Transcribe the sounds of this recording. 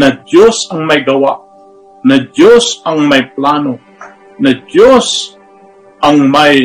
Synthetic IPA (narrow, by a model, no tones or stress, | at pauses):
nad͡ʒosaŋmajɡawaʔ | nad͡ʒosaŋmajplano | nad͡ʒos | aŋmaj